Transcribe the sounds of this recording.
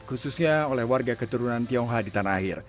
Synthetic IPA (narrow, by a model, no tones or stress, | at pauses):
kususɲaolɛhwarɡakət̪uɾunant̪iɔŋɦadit̪anaːɦɪr